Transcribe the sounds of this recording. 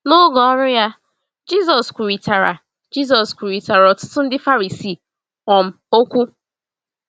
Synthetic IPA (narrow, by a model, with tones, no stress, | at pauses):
no˦ɡɔ˨ɔ˦ɾʊ˦ja˦ | d͡ʒi˦˨zɔ˨skʷu˨ɾi˨ta˨ɾa˨ | d͡ʒi˦z̬ɔ˨skʷu˨ɾi˨ta˨ɾɔ˨tʊ̥˦tʊ˦n̩˦dɪ˦fa˦ɾi˨si˦˨ | ŋɔ˨m̩˦o˦kʷu˦